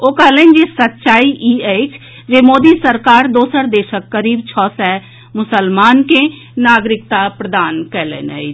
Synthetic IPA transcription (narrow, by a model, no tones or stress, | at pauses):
oːkaːleːnd͡ʒesət̪ːʃaːiʔiːeːt͡ʃ | d͡ʒemoːd̪isəɾkaːɾd̪oːsəɾd̪eːʃəkːəɾiːbt͡ʃʰɔːsɛ | mʊsəlmaːnke | naːɡɾɪk̚t̪apɾəd̪aːnkɛlḛːnɛ̰i